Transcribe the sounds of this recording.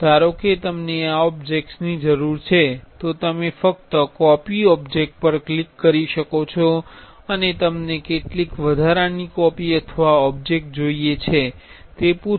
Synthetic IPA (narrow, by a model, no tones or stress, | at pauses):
t̪aɾoket̪əmneaɔbd͡ʒek̚ʈsnid͡ʒəɾuɾt͡ʃʰet̪ot̪əmefək̚t̪əkɔpiɔbd͡ʒek̚ʈ̚pəɾklikːəɾiʃəkot͡ʃʰɔ | ənet̪əmnekeʈlikʋəd̪ʱaɾanikɔpiət̪ʰəʋaɔb̚d͡ʒek̚ʈ̚d͡ʒoijet͡ʃʰet̪epu